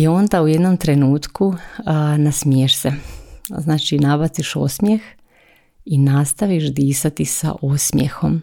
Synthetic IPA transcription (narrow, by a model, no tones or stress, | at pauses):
io̞nd̪auje̞d̪nomt̪ɾe̞nuːt̪ku | nasmijeʃseznaːt͡ʃinabat̪siʃo̰smje̞x | inast̪aʋiʃd̪iːsat̪isa̰ʔosmjḛxo̞̰m